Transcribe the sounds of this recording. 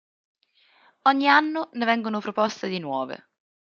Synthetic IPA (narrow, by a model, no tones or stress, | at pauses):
ɔɲːianːonevɛŋɡonopɾopɔst̪ed̪inwɔːvḛ